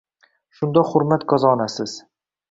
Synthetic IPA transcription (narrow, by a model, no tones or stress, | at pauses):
ʃʊnd̪ɒχʊɾmat̪kʰɒzɒːnasɪz̥